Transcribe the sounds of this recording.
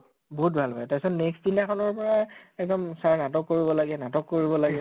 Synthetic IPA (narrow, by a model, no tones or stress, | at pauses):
boɦut̚bʱalbʱajɛtasɔnnɛkstpilakʰɔnɔɹpɔɹaɛk̚dɔmsaɹnatɔkːoɹibɔlaɡɛnatɔkːoɹibɔlaɡɛ